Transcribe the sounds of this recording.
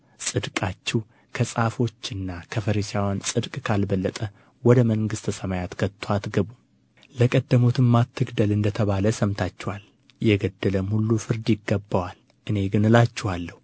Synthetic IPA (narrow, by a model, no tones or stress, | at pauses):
sʼɨd̪kʼat͡ʃːɛw | kʰəsʼafo̞t͡ʃːɨnːakʰəfəɾisawansʼɨd̪kʼkʰalbəlːət̪ʼə | wɔd̪əməŋɡɨst̪ʰəsəmajat̪kʰət̪ʰːwat̪ɡəβum | ləkʼəd̪ːəmot̪ʰɨmmat̪ʰːɨɡd̪əlɨnd̪ət̪ʰəβaləsəmt̪ʰat͡ʃːɛwal | jɛɡəd̪ːələmhulːufɨɾd̪jɪɡːəbːawal | ʔɨne̞ɡɨnɨlat͡ʃːɛhalːəhu